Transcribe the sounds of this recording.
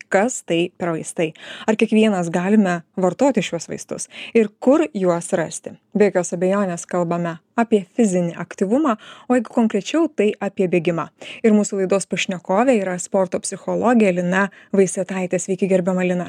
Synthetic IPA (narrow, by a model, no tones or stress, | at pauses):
kɐst̪ɐɪpʲɛɾʋɐɪst̪ɐɪɐɾkʲiɛkʋʲiɛnɐs̬ɡɑːlʲɪmʲɛʋɐɾt̪oːt̪ʲɪʃʲjuɔsʋɐ̰ɪst̪ʊ̰sɪɾkʊɾjuɔsɾɐsʲt̪ʲɪbʲekʲoːsɐbʲɛjoːnʲeːskɐlˠbɐmʲɛaːpʲiɛfʲɪzʲɪnʲɪʔɐkt̪ʲiːʋʊmɑːoːjɛɪɡʊkoŋkɾʲɛt͡ʃʲɛʊt̪ɐɪʔaːpʲiɛbʲeːɡʲɪmɑɪɾmuːsulˠɐɪd̪oːspɐʃʲnʲɛkoːʋʲɛiːɾɐspoːɾt̪oːpʲsʲɪxolˠoːɡʲɪjɛlʲɪnɐ | ʋɐɪsʲɛt̪ɐˑɪt̪ʲesʲʋʲɛɪkʲɪɡʲɛɾʲbʲɛmɐlʲɪnɐ